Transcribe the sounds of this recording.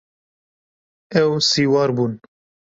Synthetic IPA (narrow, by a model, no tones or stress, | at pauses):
ɛwsiːwɑːɾbuːn